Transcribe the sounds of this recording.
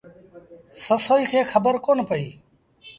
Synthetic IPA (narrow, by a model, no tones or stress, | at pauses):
səsoːiːkʰeːkʰəbəɾkoːnpəiː